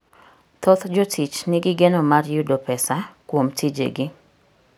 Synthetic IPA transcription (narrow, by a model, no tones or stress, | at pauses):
t̪ot̪d͡ʒɔtʰit͡ʃnɪɡɪɡenomarjudopɛsakwomtid͡ʒḛɡɪ